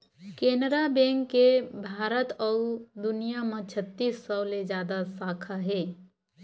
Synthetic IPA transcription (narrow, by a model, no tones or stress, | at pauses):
keːnɾabẽːŋkːebʱaːɾət̪ɔːd̪ʊnijamə̃t͡ʃʰət̪ːiːsːɔwled͡ʒjaːd̪asaːkʰaɦɛː